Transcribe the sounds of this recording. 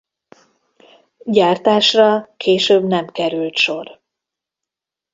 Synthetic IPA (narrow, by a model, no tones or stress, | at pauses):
ɟaːrt̪aːʃrɒkʰeːʃøːbnɛmkɛɾylt̪ʃo̞r